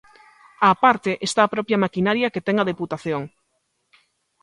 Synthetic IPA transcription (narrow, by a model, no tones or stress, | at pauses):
apaɾt̪eʔest̪aːpɾɔpjɐmakinaɾjɐket̪ɛŋɐðeput̪aθjoŋ